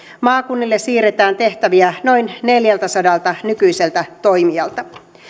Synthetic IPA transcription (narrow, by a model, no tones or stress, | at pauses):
mɑːkunːilːessiːret̪æːnt̪e̞ht̪æʋiæno̞jnne̞ljælt̪æsɑdɑlt̪ɑnykyjse̞lt̪æt̪ojmiɑlt̪ɑ